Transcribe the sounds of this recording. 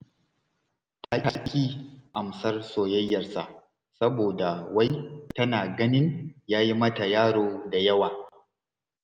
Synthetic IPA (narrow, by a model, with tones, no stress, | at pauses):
tʰa˦a˦kʲiː˦ʔa˨msɐ˦rsoː˨jɐ˦jːɐ˨rsa̰˨ʔ | sɐ˦boː˨da˨wa˦jtɐ˦naː˨ɡɐ˦nɪ˦njaː˦ji˦mɐ˦ta˨jaː˦ɽoː˨da˨jɐ˦waː˨